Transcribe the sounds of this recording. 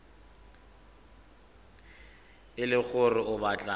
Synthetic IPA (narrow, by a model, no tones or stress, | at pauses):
ɪlɪk͡xʊrɪʔʊbat͡ɬʼa